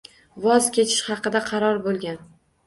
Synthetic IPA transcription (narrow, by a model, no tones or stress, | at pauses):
vɒzkʲet͡ʃʰɪ̥ʃχɑqɨd̪aqʰɑɾɒɾbolˠɡʲan